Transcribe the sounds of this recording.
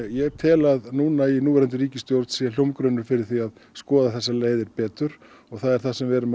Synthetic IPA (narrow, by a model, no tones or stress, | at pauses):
jɛt̪ʰɛːlaðnuːnainuːvɛɾɛnt̪ʏɾiːcɪst̪jowɾt̪sial̥jowmkɾœɥnʏɾ̥fɪɾɪɾ̥θiaðskɔːðaθɛsːaleːjðɪɾpɛːt̪ʏɾ̥ | ɔɣθaðɛɾ̥θasɛmvɛɾʏm